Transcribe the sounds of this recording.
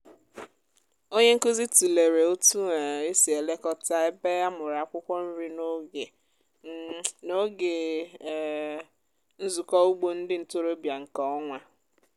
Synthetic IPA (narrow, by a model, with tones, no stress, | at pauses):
o˦ɲe˦ŋ̩˦ko˦zi˦tu˨le˨ɾe˨o˦tu˦˨e˦si˨e˨le˦kɔ˦ta˦e˦be˦a˦mʊ˨ɾa˨a˦˨kʷʊ˦kʷɔ˦n̩˦ɾi˦no˦ɡe˨ | no˦ɡe˨ | n̩˦zu˨kɔ˦u˦ɡ͡bo˦n̩˦dɪ˦n̩˨to˦ɾo˦bja˨ŋ̩˨kɔ˨˦ɔ˦ŋʷa˦